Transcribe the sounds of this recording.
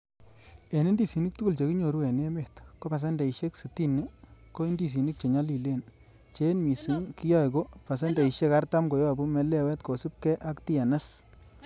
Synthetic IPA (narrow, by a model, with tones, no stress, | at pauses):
e˨ne˦ndi˦˨si˨ni˦k̚tu˦ku˨lt͡ʃe˨ki˦ɲo˨ɾu˦ɛ˨ne˦me˨tko˦pa˨s̬ɛ˦ndɛ˨i˨ʃe˦ksi˨ti˦ni˦ko˦i˦ndi˨s̬i˨ni˦k̚t͡ʃe˨ɲa˦li˨le˦˨n | t͡ʃe˦nmi˨si˦nki˦jɔ˦i˨ko˦pa˨s̬ɛ˦nde˨i˨ʃe˦ka˦rta˦mko˨jɔ˦˨bu˦mɛ˦lɛ˦˨wɛ˦tko˨su˦p̚kɛ˦ʔa˦kti˦a˨na˦s